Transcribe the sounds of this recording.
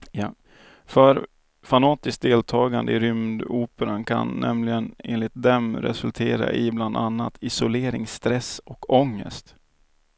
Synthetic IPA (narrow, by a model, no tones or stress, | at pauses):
j | fœɾ | fanɑːt̪ɪsk̚d̪eːlt̪ʰɑːɡand̪əɪɾʏmd̪uːpəɾankʰa̰nːɛmlɪɡəneːnlɪt̪̚d̪ɛmɾɛ̰sɵlt̪ʰeːɾa̰ʔɪbland̪anːat̪ʰɪsʊleːɾɪŋst̪ɾɛsɔkʰɔŋːə̰st̪